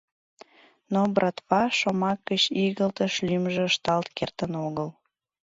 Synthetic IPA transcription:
nobrɑt̪βɑʃomɑkːət͡ɕiɣəlt̪əʃlymʒĕəʃt̪ɑlt̪kert̪ənoɣəl

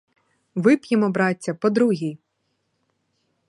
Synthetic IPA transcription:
ʋɪpjɪmɔbɾɑtʲːɐpɔd̪ɾuɦʲij

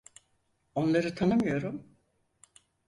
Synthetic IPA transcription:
o̞nlˠaɾɯt̪ʰanɯmɯjo̞ɾum

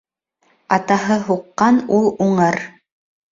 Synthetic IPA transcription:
ɑt̪ɑɦɤɦuqːɑnulˠuɴɤɾ

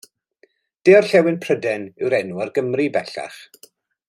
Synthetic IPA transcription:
d̥eːɔrɬɛwɪnpʰr̥ədɛnɪwɾɛnuarɡəmribɛɬa̰χ

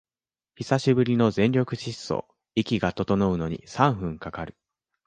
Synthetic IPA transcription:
çisaɕibɯ̟ɾʲino̞zẽ̞ɲʲɾʲo̞kɯ̟ɕisːo̰ː | ikʲiɡat̪o̞t̪o̞no̞ɯ̟no̞ɲ̟ḭsãɰ̃ɸɯ̟̃ŋkakaɾɯ̟̥

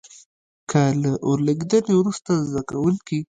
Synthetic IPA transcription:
kʰəlaʔoɾlaɡid̪ənewɾust̪azd̪akawəlki

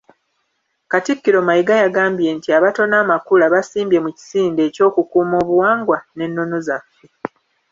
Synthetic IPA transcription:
katikːiɾo̞majiɡajaɡaːmbje̞ntiaβato̞naːmakulaβasiːmbje̞muci̥siːnde̞ːco̞ːkukuːmo̞ːβuwaːŋɡwane̞nːo̞no̞zafːe̞

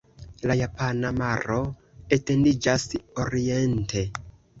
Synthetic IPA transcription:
lajapanamaɾo̞ | ete̞ndid͡ʒasoɾie̞ntʰe̞

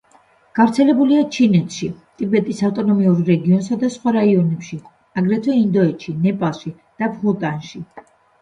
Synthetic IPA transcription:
ɡ̥avɾt̪sʰɛlɛbuliat͡ʃʰinɛt̪ʰʃit̪ʼibɛt̪ʼisaft̪ʼɔnɔmiuɾːɛɡiɔnsad̪asχwaɾaiɔnɛpʃi | aɡɾɛt̪ʰvɛind̪ɔɛt̪ʃinɛpʼalˠʃi | d̪̥abʁulˠt̪ʼanʃi

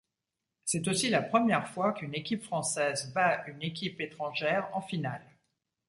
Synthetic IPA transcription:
sɛt̪osilapχəmjɛʁfwakynekʲipfχɑ̃sɛzbaynekʲipet̪χɑ̃ʒɛʁɑ̃final

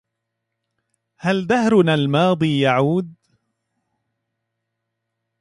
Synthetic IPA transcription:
hald̪ahɾʊnaːlmɑːd̪ˤiːjaʕuːd̪̚

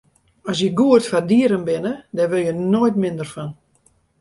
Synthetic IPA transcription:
ɔs̬jəɡuərtfardiəɾənbɪnədɛrʋɪlˠjənojtmɪndərfɔn

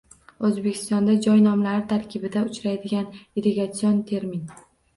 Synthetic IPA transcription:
ɵzbe̞kʲʰɪ̥st̪ɒnd̪ad͡ʒɒjnɒmlaɾɪt̪ʰaɾkʲʰɪbɪd̪aʊt͡ʃɾajd̪ɪɡʲaniɾeɡat̪sɪjont̪ʰe̞ɾmin

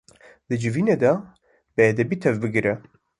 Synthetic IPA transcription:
d̪ɨd͡ʒɨviːned̪ɛ | bɨɛd̪ɛbiːt̪ʰɛvbɨɡɾɛ

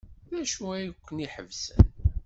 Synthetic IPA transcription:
ðæʃuæjəkʷːəniħə̰vsən

